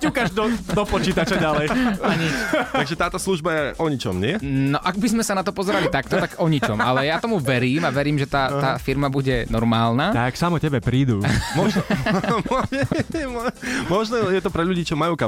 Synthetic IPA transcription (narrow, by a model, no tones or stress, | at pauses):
cukaʒd̪ɔd̪ɔpɔt͡ʃiːt̪at͡ʃaɟalɛjaɲitaɡʒɛt̪aːt̪ɔsluʒbajɛʔɔɲit͡ʃɔ̰mɲɪɛnɔʔaɡbizmɛsanat̪ɔpɔzɛɾalit̪ak̚t̪ɔt̪aɡɔɲit͡ʃɔmalɛjaːt̪ɔmuʋɛɾiːmaʋɛɾiːmʒɛt̪aːt̪aːfiɾmabuɟɛnɔɾmaːlˠnaːt̪aksamɔcɛbɛpɾiːd̪umɔʒ | mɔɛɛmɔmɔʒnɛjɛt̪ɔpɾɛʎuɟiːt͡ʃɔmajuːka